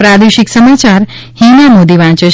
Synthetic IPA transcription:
pɾad̪eʃiksəmat͡ʃaɾ | hĩnamod̪iʋãt͡ʃe

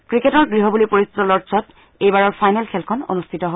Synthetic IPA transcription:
kɹiketɔɹɡɹiɦɔbulipoɹist̪ʰitɔlɔɹsɔt | ejbaɹɔɹpʰajnɛlkʰɛlkʰɔno̰nustʰitɔɦo

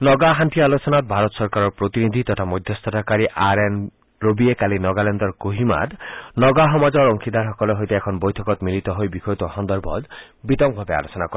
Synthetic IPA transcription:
nɔɡaɦantialosɔnat̪̚bʱaɾɔt̪sɔɾkaɾɔɹpɾot̪inid̪ʱit̪ɔt̪ʰamɔjd̪ʱjɔst̪ɔtʰakaɾiʔaɾen | ɹobiekalinɔɡalɛnd̪ɔɹkoɦima̰d̪nɔɡaɦɔmad͡ʒɔɹɔŋkʰid̪ʱaɾɦɔkɔleɦojt̪eːkʰɔnbojtʰɔkɔt̪milit̪ɔɦojbixʰɔjt̪ɔɦɔnd̪ɔɾbʱɔ̰d̪ | bit̪ɔŋ̚bʱabea̰losɔnakɔɾe

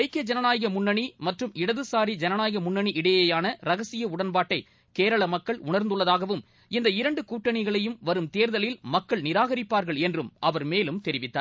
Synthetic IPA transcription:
ɐɪkːɐd͡ʒɐnɐnaːjɐɣɐmʊɳːɐɳimɐʈrɯmɪɽɐðɯsaːɾid͡ʒɐnɐnaːjɐɣɐmʊɳːɐɳiʔɪɽɐjɐjaːnɐɾɐɣɐsɪjɐʊɽɐnpaːʈːɐɪ | keːɾɐɭɐmɐkːɐɭʊ̰ɳɐɾnd̪ɯɭːɐðaːɣɐʋɯm | ɪnd̪ɐɪɾɐɳɖɯkuːʈːɐɳɪɣɐɭɐjɯmʋɐɾɯmt̪eːɾðɐlɪlmɐkːɐɭnɪɾaːɣɐɾɪpːaːɾɣɐɭɛndrɯmʔɐʋɐɾmeːlɯmt̪ɛɾɪʋɪt̪ːaː

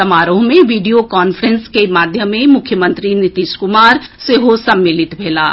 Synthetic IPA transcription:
ɐmaːɾõmẽʋiːɖijokaːnfʰəɾənskemaːd̪ʱjəmːẽmʊkʰjəmə̃nt̪ɾinɪt̪iːʃkʊmaːɾseɦosɐmːɪlɪt̪bʱeːla̰ː

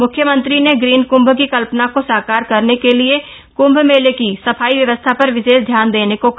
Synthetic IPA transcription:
mʊkʰjəmə̃nt̪ɾineɡɾiːnkʊ̃mbʱkikɐlpnakosaːkaːɾkɐɾnekelie | kʊ̃mbʱmeːlekisɐpʰaːiʋjɐʋəst̪ʰapɐɾʋɪʃeːsd̪ʱjaːnd̪eːnekok

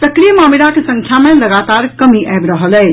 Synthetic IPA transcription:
səkɾijəmamilakesə̃ŋkʰjamẽləɡat̪aɾkəmiʔɛjbɾəɦəlɛː

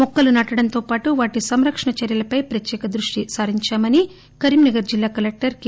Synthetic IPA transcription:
mɔkːɐlunɐʈɐɽɐnt̪o̞ːpaːʈuʋaːʈisɐmɾɐkʂɐɳɐt͡ʃɐɾjɐlɐpɐjpɾɐt̪jɛːkɐd̪ɾuʂʈisaːɾiɲt͡ʃaːmɐni | kɐɾimnɐɡɐɾd͡ʒilːaːkɐlek̚ʈɐɾk

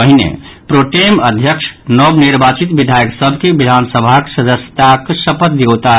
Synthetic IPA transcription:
əɦinḛ | pɾoʈeməd̪ʱjəkʂnɔbniɾbat͡ʃit̪bid̪ʱajəksəbʱkebid̪ʱansəbʱaksəd͡ʒəst̪aksəpət̪̚d̪eot̪a

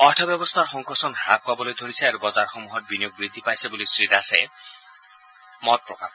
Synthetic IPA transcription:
ɔʈʰɔbjɔbɔst̪ʰaɾxɔŋkɔsɔnɦak̚pabɔlojd̪ʱoɾisʰeaɾubɔzaɾxomuɦɔt̪̚binijoɡ̚bɾid̪ʱːipajsebolisɾid̪ase | mɔt̪̚pɹɔkap

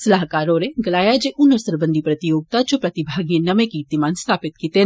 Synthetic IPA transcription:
sɐlaːɦkaːɾoɾeɡɐlaːjad͡ʒeʔʊnəɾsəɾbə̃nd̪ʱipɾɐt̪ijoːɡ̚t̪at͡ʃopɾɐt̪ɪbʱaːɡijẽnɐmẽkit̪imaːnst̪ʰaːpɪt̪̚kiːt̪e

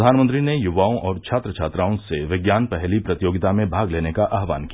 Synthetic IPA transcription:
aːnmənt̪ɾinejʊʋaːõʔɔːɾt͡ʃʰaːt̪ɾət͡ʃʰaːt̪ɾaːõseʋɪɡjaːnpɛɦlipɾɐt̪ɪjoːɡɪt̪amẽbʱaːɡleːnekaʔaːɦʋaːnki

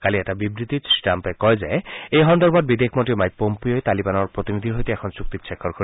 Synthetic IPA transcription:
kaliɛʈabibɾit̪isʈampɛkɔjzaeejɦɔnd̪ɔɾbad̪bid̪ekʰmoʈimajpːompijoet̪alibanɔɾpɾot̪inid̪ʱiɾɦojt̪eɛkʰɔnsuk̚t̪it̪ʃʰekʰːɔɾkʰoɾi

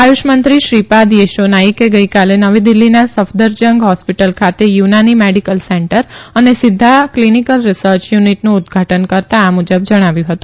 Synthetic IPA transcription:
ajuʃmənt̪ɾiʃɾipad̪jeʃonaikeɡəikalenəʋid̪ɪlːinasəfd̪əɾd͡ʒəŋɡɦɔspiʈəlkʰat̪ejunanimeɽikəlseɳʈəɾənesɪd̪ʱːaklinikəlɾɪsəɾt͡ʃjuniʈnũːd̪ɡʱaʈənkəɾt̪aːmud͡ʒəbd͡ʒəɽ̃aʋjũɦət̪ũ

